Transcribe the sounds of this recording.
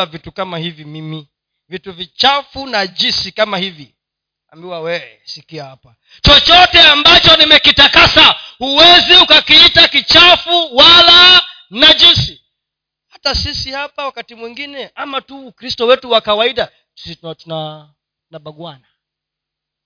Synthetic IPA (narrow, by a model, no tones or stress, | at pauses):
vitukamahivimimi | vituvit͡ʃafunad͡ʒisikamahivi | a̰mbiwawɛɛsikiahapa | t͡ʃɔt͡ʃɔtɛambat͡ʃɔnimɛkitakasahuwɛziukakiitakit͡ʃafuwala | nad͡ʒisi | hatasisihapawakatimwiŋɡinɛamatukɾistɔwɛtuwakawaiɗa | tu̥sittuna | naɓaɡwana